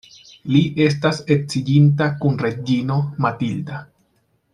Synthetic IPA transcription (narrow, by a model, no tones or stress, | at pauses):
liʔe̞stasek̚t͡sid͡ʒintakunɾe̞d͡ʒino̞matilda